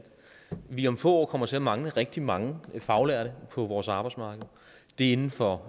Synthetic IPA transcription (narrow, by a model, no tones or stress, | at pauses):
d̥ | ʋiɒ̽mfɔ̰ːɒ̰ːkʰɒ̽m̰ɐt͡sʰe̝æmɑ̈ŋləʁɛɡ̥̚d̥imɑ̈ŋəfɑ̈ʊlæɐɾəpʰɒ̽ʋɒːsɑ̈ːb̥ɑ̈ɪdsmɑ̈ːɡ̥əð̩ˠ | d̥e̝e̝nn̩fɒ̽